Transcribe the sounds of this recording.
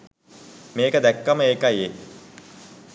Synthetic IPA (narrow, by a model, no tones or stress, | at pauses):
meːkəd̪ækːəməeːkaje